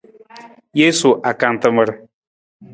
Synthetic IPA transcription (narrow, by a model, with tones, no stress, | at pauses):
je˦su˨ʔa˨ka˨n˨t̪ə˦mə˦ɾ